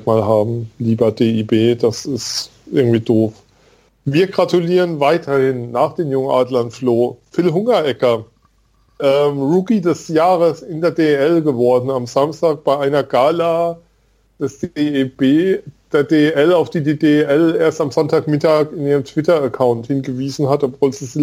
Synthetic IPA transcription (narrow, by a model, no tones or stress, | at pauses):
kmaːlɦaːbm̩liːbɐdeːiːbeːd̥asɪst | ʔɪɐɡŋ̩tv̥iːdoːf | viːɐɡʁatuliːʁənvaɪtʰɐhɪnːaːχd̥eːmjʊŋənʔa̰ːdlantfloːfɪlɦʊŋɐʔɛkɐ | ʔɛːmʁuːkidɛsjaːʁəsɪndeːɐdeːeɛlɡəvɔɐdn̩amzamstaːk̚b̥aɪʔaɪnɐɡaːlaː | d̥ɛsd̥eb̥eːd̥eːɐdeːʔɛlaʊfd̥iːdeːdeʔɛleːɐstamzɔntaːkmɪtaːkɪnʔiːʁəmtv̥ɪtɐəkʰaʊnthɪnɡəviːzn̩hatɔpv̥oːlziːzi